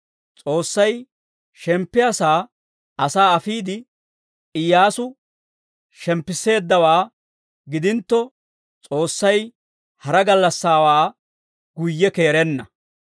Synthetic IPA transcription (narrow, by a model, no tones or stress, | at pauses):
t͡sʼo̞ːsːɐj | ʃɛmpːɪjasaː | ɐsaːɐfiːd̪ɪ | ɪjːaːsʊ | ʃɛmpːɪsːe̞ːd̪ːɐwaː | ɡɪd̪ɪnt̪ːɔ | t͡sʼo̞ːsːɐj | hɐɾɐɡɐlːɐsːaːwaː | ɡ̥ʊjːɛke̞ːɾɛnːɐ